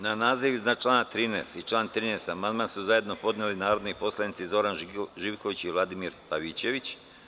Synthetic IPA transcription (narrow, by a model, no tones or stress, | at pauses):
nanaːziʋiznat͡ʃlˠaːnat̪ɾiːnḛːst̪it͡ʃlˠaːnt̪ɾiːneːst̪amand̪mansuzaje̞d̪no̞po̞d̪nelinaːɾo̞d̪nipo̞slˠanit̪sizo̞ɾanʒiːʋkoʋit͡ɕiʋlˠad̪imiɾpaʋit͡ɕe̞ʋit͡ɕ